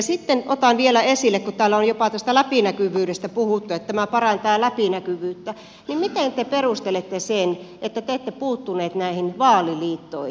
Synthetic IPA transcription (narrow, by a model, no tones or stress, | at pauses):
sit̪ːenot̪ɑnʋielæesilːekkut̪æːlːæonjopɑt̪æst̪ælæpinækyʋyːɾest̪æpuhut̪ːuet̪t̪æmæpɑrɑnt̪ɑːlæpinækyʋyːt̪ːæ | nimmit̪ent̪eperust̪elet̪ːesenʔet̪ːæt̪eːt̪ːepuːt̪ːuneːt̪næihinʋɑːliliːt̪ːoi